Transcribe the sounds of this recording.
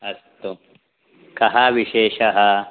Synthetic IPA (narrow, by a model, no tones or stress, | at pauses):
ɐst̪o | kɐɦaʋiʃeːʃɐɦɐ